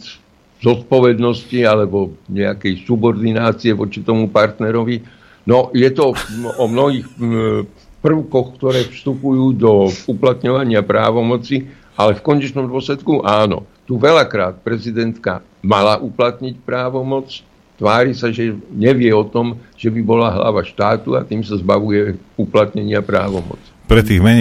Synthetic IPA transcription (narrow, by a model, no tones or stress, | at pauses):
zɔt̪̚pɔʋɛd̪nɔscialɛbɔɲɛakɛjsubɔɾd̪inaːt͡siɛʋɔt͡ʃit̪ɔmupaɾt̪nɛɾɔʋi | nɔjɛt̪ɔɔmnɔɦiːx | pr̩ʊkɔxkt̪ɔɾɛːfst̪upujuːd̪ɔuplat̪ɲɔʋaɲɪapɾa̰ːʋɔmɔt͡si | alɛfkɔɲɛt͡ʃnɔmd̪ʊɔslɛt̪kuʔaːnɔ̰t̪uʋɛlakɾaːt̪̚pɾɛzid̪ɛnt̪ka̰ | malaʔuplat̪ɲicpɾaːʋɔmɔt͡s | t̪ʋaːɾisaʒɛɲɛʋɪɛɔt̪ɔmʒ̥ɛbibɔlaɦla̰ʋaʃt̪aːt̪ua̰t̪iːmsazbaʋujɛuplat̪ɲɛɲɪapɾa̰ːʋɔmɔ̰t͡si̥pɾɛt̪iːɣmɛɲ